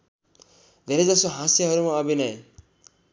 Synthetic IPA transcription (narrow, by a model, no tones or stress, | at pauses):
d̪ʱeɾed͡zʌsoɦãsjaɦʌɾumaʌbʱinʌe